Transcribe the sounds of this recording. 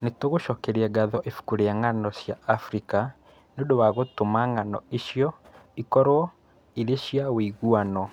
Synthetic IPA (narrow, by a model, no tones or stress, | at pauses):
netoɣoʃɔkɛɾiɛɡaðɔʔefu̥kuɾeaŋanɔsjaːfɾika | neodowaɣotomaŋanɔ̰iʃjɔ | ikɔɾwɔ | iðeʃjawiɣuanɔ